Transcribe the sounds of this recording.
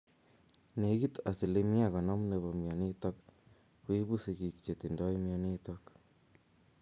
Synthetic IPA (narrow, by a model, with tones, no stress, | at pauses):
ne˨˦ɣi˦t̪a˨si˨le˦mi˦a˦˨ɣa˨na˦mu˦ne˨βa˨mja˨ni˦ta˦k | kwi˦βu˦si˨ɣi˨ki̥t͡ʃe˨ti˨nda˦i˦mja˦ni˦ta˦k